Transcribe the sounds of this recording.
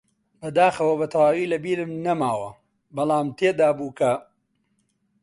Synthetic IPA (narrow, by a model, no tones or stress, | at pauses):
bɐd̪aːxɐwɐbɐt̪ʰɐwaːwiːlɐbiːɾɨmnɐmaːwɐ̰ | bɐlˠaːmt̪ʰeːd̪aːbuːkʰɐ